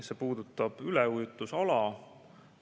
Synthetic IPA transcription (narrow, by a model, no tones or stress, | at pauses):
se̞puːd̪̥ut̪ːˑɑb̥ylɛujut̪ːˑusɑlɑ